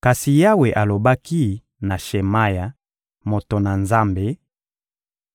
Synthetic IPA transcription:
ka˨si˨ja˦we˨ʔa˨lo˨ba˦ki˦ | na˨ʃe˨ma˦ja˨ | mo˨to˨na˨nza˦mbe˨

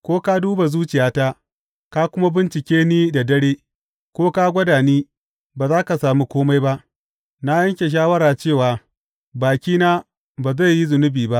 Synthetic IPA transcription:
kʷoː˦ka˦duː˦ba˨zuː˦t͡ʃɪ˨jaː˦ta˦ | ka˦kʷʊ˦ma˦bɪ˦nt͡ʃɪ˨kʲeː˦niː˦da˨dɐ˦ɽeː˦ | kʷoː˦ka˦ɡʷɐ˦daː˨niː˦ | baː˨zaː˦ka˨saː˨mu˦kʷoː˦ma˦jba˦ʔ | na˦jɐ˦ŋkʲe˨ʃ̬aː˦wɐ˦ɾaː˨t͡ʃeː˦˨waː˨ | baː˨kʲiː˦naː˦ | baː˨za˦˨jːi˦zʊ˨nʊ˦biː˨ba˦ʔ

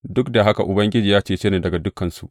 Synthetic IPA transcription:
dʊ˦kda˨ɦa˦ka˨ʔʊ˨bɐ˦ŋɡʲɪ˦d͡ʒiː˨jaː˦t͡ʃeː˦˨t͡ʃeː˦neː˨dɐ˨ɡa˨dʊ˦kːɐ˨nsṵ˨

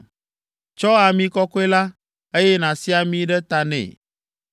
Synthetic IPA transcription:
t͡ʃɔ˦a˨mĩ˦kɔ˦kɔ˦e˦la˦ | e˦jɛ˦nã˨si˦a˨mĩ˦ɖɛ˦t̪a˨nɛ̰̃˨

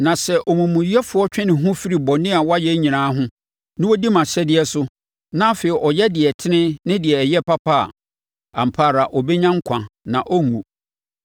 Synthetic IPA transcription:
nã˨sɛ˦ʔɔ˨mũ˨mũ˨ji˦ɛ˦fʊ˦ɔ˦t͡ɕᶣɛ̃˦nɪ̃˨ɦʊ̃˦fi˦ɾi˨bɔ̃˨nɪ̃˦a˨wɔ˦a˦jɛ˦ɲĩ˨nãː˨˦ɦʊ̃˦ | nɪ̃˦wɔ˦di˦mã˨ɕɛ˦dɪ˨ɛ˨sʊ˦ | nã˦feː˨i˨ʔɔ˨jɛ˦dɪ˨ɛ˨tʰɪ˦nɪ̃˦nɪ̃˦dɪ˨ɛ˨jɛ˦pa˦pʰa˦a̰˨ | a̰˨m̩˨pʰaː˦˨ɾa˨ʔɔ˨bɛ˦ɲã˦ŋ̩˦kʷʰã˨nã˨ʔɔ˦ŋṵ̃˨

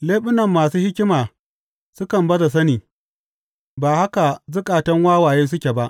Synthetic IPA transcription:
leː˦ɓʊ˦nɐ˨mːaː˨suː˦hɪ˦kʲɪ˦maː˨ | sʊ˦kɐ˨mbɐ˦da˨s̬ɐ˦niː˨ | baː˨ha˦ka˨zʊ˦kʼaː˨tɐ˦ŋwaː˦waː˨jeː˦s̬ʊ˦kʲe˨ba˦ʔ

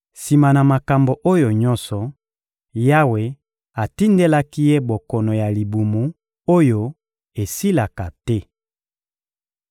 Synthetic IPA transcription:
si˨ma˨na˨ma˨ka˨mbo˨ʔo˦jo˨ɲɔ˦nsɔ˨ | ja˦we˨ | a˨ti˦nde˦la˦ki˦je˦bo˨kɔ˨nɔ˨ja˨li˨bu˨mu˨˦ | o˦jo˦ | e˨si˦la˨ka˨tɛ˦

